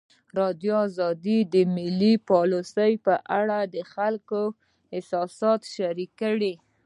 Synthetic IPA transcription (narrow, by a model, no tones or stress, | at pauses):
ɾɑd̪joːzɑd̪id̪əmɪlipɑlosəjpəʔaɽad̪əxalko | ɪsɑsɑt̪ʃaɾikːəɽi